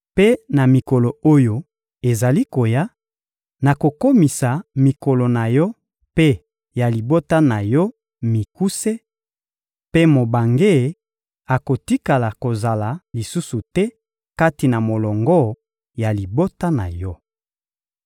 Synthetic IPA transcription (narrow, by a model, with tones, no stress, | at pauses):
pe˦na˨mi˨ko˨lo˨o˦jo˦ | e˨za˨li˦ko˨ja˦ | na˨ko˨ko˦mi˨sa˨mi˨ko˨lo˨na˨jɔ˦ | pe˦ | ja˨li˨bo˦ta˦na˨jɔ˦ | mi˨ku˦se˦ | pe˦mo˨ba˨ŋɡe˦˨ | a˨ko˨ti˦ka˨la˨ko˨za˨la˨li˨su˦su˨tɛ˦ | ka˦ti˨na˨mo˨lɔ˨ŋɡɔ˦ | ja˨li˨bo˦ta˦na̰˨jɔ˦